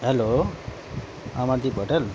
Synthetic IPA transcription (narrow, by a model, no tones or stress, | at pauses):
ɦelo | amad̪ipoʈel